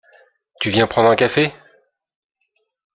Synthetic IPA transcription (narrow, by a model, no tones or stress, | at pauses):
t̪yvjɛ̃pχɑ̃d̪ʁɛ̃kafe